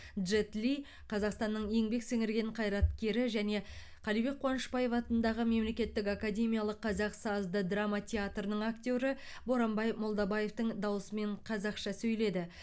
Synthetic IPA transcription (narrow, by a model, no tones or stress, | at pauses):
d̪ʒet̪li | qʰɑzɑqst̪ɑnːəɴje̞ŋbe̞ksɪŋɪɾɡʲe̞ɴqʰɑjɾɑt̪kʲe̞ɾɪʒæne̞ | qʰɑlijbe̞k̚qʰːwɑnəʃpɑje̞fɑt̪ənd̪ɑʁəme̞mle̞kʲe̞t̪ːɪkakadʲe̞mʲijalˠəqːʰɑzɑqsɑzd̪əd̪ramɑt̪ʲʰeat̪rənəɴakt̪ʲo̞ɾə | bo̞ɾɑmbɑjmo̞lˠd̪ɑbɑje̞ft̪əɴd̪ɑwəsəme̞ɴqʰɑzɑqʃɑsɵjle̞d̪ɪ